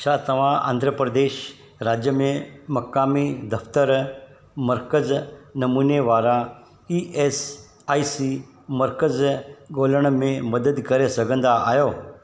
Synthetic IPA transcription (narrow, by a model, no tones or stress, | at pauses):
t͡ʃʰaːt̪ɐʋ̤ãã̰ːnd̪ʱɾəpɾəd̪eːʃ | ɾaːd͡ʒjəmẽmɐkaːmid̪ɐft̪əɾ | məɾkəznɐmuːneʋaːɾa | iːʔes | aːisi | məɾkəzɡoːləɽ̃mẽmɐd̪əd̪kɐɾesɐɡə̃nd̪aa̰ːjoː